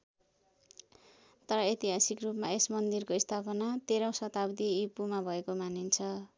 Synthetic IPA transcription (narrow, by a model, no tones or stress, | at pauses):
t̪ʌɾʌet̪iɦasikrupmaesmʌnd̪irkoist̪ʰapʌnat̪eɾʌ̃w̃sʌt̪abd̪iːpumabʱʌekomanint͡sʰʌ